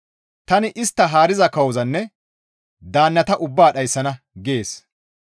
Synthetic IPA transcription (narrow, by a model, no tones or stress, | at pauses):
t̪ɐnɪʔɪst̪ːɐɦaːɾɪzɐkɐwɔzɐnːɛ | d̪aːnːɐt̪ɐʔʊbːaːɗɐjsːɐnɐ | ɡeːs